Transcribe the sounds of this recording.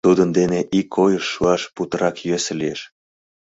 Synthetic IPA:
t̪ud̪ənd̪eneʔikʰːojəʃːuɑʃput̪əɾɑkjøs̆lieʃ

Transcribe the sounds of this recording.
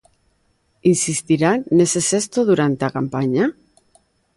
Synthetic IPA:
insist̪iɾaːesesest̪oðuɾant̪eakampaɲa

